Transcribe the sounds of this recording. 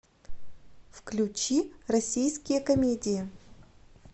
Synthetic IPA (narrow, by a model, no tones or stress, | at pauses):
fklʲʉt͡ɕirɐsʲijskʲɪjəkɐmʲedʲɪjɪ